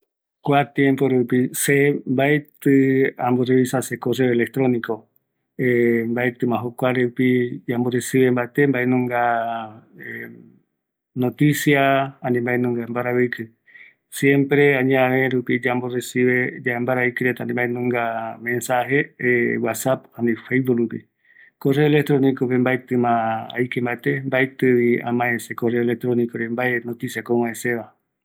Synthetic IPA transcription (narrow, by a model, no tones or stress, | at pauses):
kʷat̪jẽmpoɾupisembaet̪ɨamboreβisasekoreoelek̚t̪ɾonĩko | embaet̪ɨmãɦokʷaɾeupid͡ʒamboresiβembaet̪embaenũŋɡa | e | not̪isjaãnĩmbaenũŋɡambaɾaβikɨ | sjẽmpɾeãɲaβẽɾupid͡ʒamboresiβed͡ʒaembaɾaikɨɾet̪anĩmbaenũŋɡamẽ̞nsaɦewasapanifejboɾupḭ | koreoelek̚t̪ɾonikopembajt̪ɨmãa̰jkembat̪embajt̪ɨβia̰mãesekoreolek̚t̪ɾonikoɾembaenot̪isiakowãeseβa